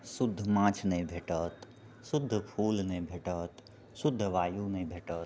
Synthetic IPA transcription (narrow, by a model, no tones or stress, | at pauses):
sʊd̪ʱːmãːt͡ʃʰnebʱeːʈət̪ | sʊd̪ʱːpʰuːlnẽbʱeːʈət̪ | sʊd̪ʱːʋaːjunẽbʱeːʈət̪